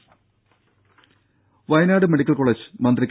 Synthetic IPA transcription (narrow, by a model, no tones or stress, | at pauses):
ʋɐjnaːɽɨmeɽikʲːɐlkoɭed͡ʑɨ̥mɐnd̪rikʲː